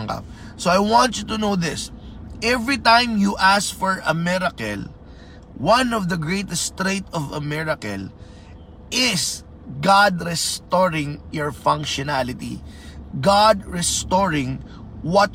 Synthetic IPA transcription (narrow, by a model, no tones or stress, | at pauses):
ŋka̰p̚ | soajwɑ̃nt͡ʃjut̪unowðɪsʔɛvɹit̪ãj̃mjuʔaskfɔɹɐmɛɾɐkɛ̰l | wɐ̃nɔvd̪ɐɡɹejt̪ɛst̪ɾet̪ɔvɐ̰mɛɹɐkɛ̰l | ʔɪs | ɡad̪ɾɛst̪ɔɹɪ̃ŋjɔɹfɐ̃ŋkʃɔnalɪt̪ḭ | ɡad̪ɹɛst̪ɔɹɪ̃ŋ | wɔt̪̚